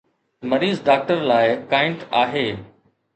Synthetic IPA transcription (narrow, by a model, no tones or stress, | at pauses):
mɐɾiːzɖaːk̚ʈəɾlaːɪkaːɪ̃ɳʈaːɦeː